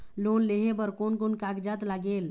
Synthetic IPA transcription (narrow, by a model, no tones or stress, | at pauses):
lonleɦebəɾkonkonkaɡd͡ʒat̪laɡel